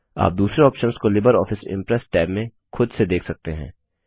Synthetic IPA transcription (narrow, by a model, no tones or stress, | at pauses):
a̰ːp̚d̪uːsɾeɔːpʃənskolɪbəɾɔːfɪsɪ̰̃mpɾɛsʈɛːbmẽ | xʊd̪sed̪eːkʰsɐk̚t̪eɦɛ̰̃ː